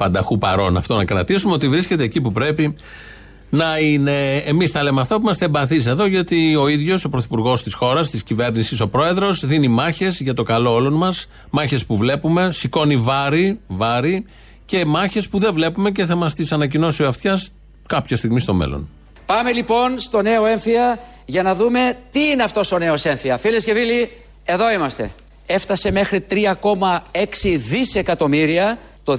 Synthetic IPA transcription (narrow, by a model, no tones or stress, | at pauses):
pɐnd̪ɐxupɐ̰ɾo̞nɐ̰ft̪o̞nɐkɾɐ̰t̪isumeo̞t̪ivɾisce̞t̪eːcipupɾe̞pi | nɐine̞ːmisθɐle̞meɐft̪ɐpumɐst̪ɐembɐθis̬e̞ðoʝɐt̪ioiðʝo̞so̞pɾoθipuɾɣo̞st̪isxo̞ɾɐst̪iscive̞ɾnisiso̞pɾo̞e̞ðɾo̞zðinimɐçe̞zʝɐt̪o̞kɐlo̞olo̞nmɐs | mɐçe̞spuvle̞pume̞siko̞nivɐɾivɐɾi | ce̞mɐçe̞spuðe̞vle̞pume̞c̬e̞θɐmɐst̪isɐnɐcino̞sioɐft̪çɐs | kɐpçɐst̪iɣmist̪o̞̰mḛlo̰n | pɐme̞lipo̞nst̪o̞ne̞oe̞ɱfiɐ | ʝɐnɐðume̞t̪iineɐft̪o̞so̞ne̞o̞se̞ɱfiɐfilesce̞vili | e̞ðo̞imɐst̪e̞̰ | e̞ft̪ɐse̞me̞xɾit̪ɾiɐko̞mɐe̞ksiðise̞kɐt̪o̞miɾiɐ | t̪o